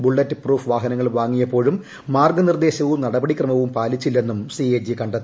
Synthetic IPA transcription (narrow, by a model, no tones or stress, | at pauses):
buɭːɐtːɨpruːfʋaːɦɐnɐŋːɐɭʋaːŋːijɐpːo̞ːɻumː | aːrɡɐnird̪e̞ːɕɐʋumnɐɽɐbɐɽikrɐmɐʋumpaːlit͡ɕːilːe̞nːumsied͡ʑikɐɳɖɐt̪ːii